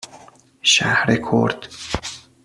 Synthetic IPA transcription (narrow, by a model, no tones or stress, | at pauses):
ʃæhɾekʰo̰ɾd̪̥